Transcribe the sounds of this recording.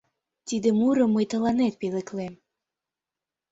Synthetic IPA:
t̪id̪ĕmuɾɤ̆mːɤjt̪ɤ̆lɑnet̪̚pelĕklem

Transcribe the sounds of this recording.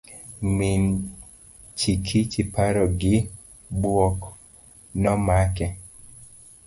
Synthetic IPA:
min | t͡ʃikʰit͡ʃipaɾɔɡɪ | bwɔk | nɔmakɛ

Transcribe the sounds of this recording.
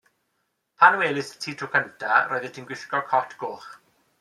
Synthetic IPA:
pʰanweːlɪstʰiːtʰukʰəntʰaɾojðɛtʰiːnɡwɪɬkɔkʰɔtʰɡ̥oːχ

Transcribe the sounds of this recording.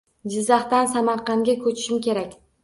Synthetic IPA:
d͡ʒɪzːɑχt̪ansamɑɾqɑŋɡʲakʰɵt͡ʃʰɪ̥ʃɪmkʲe̞ɾakʲ

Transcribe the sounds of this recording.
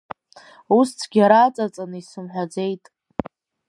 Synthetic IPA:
ust͡sʰɡʲaɾaːt͡sʼat͡sʼanɨisɨmħʷᶣad͡ze̞jtʼ

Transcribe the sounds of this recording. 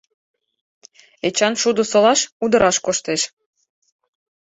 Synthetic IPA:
et͡ɕɑnʃud̪osolɑʃud̪ə̆ɾɑʃkoʃt̪eʃ

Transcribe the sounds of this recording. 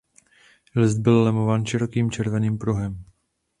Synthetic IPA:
lɪsd̪̚bɪllɛmovaːnʃɪɾo̞kiːmt͡ʃɛɾvɛniːmpɾuɦɛm

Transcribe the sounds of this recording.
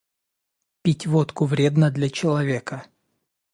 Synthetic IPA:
pʲitʲvot̪kʊvɾʲe̞d̪nəd̪lʲɐt͡ɕɪlˠɐvʲe̞kə

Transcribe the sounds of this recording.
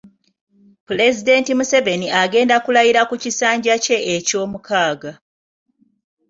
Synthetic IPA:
pule̞zide̞ntimuse̞ve̞niʔaɡe̞ːndakulajiɾakucisaːɲɟace̞eco̞ːmukaːɡa

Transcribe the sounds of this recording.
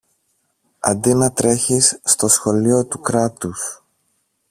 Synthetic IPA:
ɐ̰nd̪inɐt̪ɾe̞çisːt̪o̞sxo̞lio̞t̪ukɾɐt̪us

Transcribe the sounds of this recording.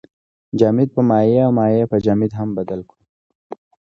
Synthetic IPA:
d͡ʒɑːmid̪̚pəmɑjeawmɑjepəd͡ʒamid̪ɦambad̪alku

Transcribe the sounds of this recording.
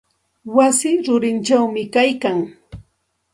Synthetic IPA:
wasɪɾʊɾɪnt͡ʃawmɪkajkaŋ

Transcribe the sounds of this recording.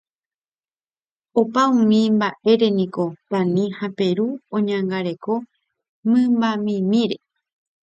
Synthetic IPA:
opaũmĩmbaʔe̞ɾe̞nĩko̞t̪ãnĩhape̞ɾuõɲãŋɡaɾe̞ko | mɨ̃mbamĩmĩɾe̞

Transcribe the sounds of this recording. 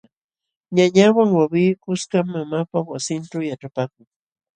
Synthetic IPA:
ɲaɲawaŋwawiːkʊskamːamapawasɪnʈ͡ʂawjaʈ͡ʂapaːkʊŋ

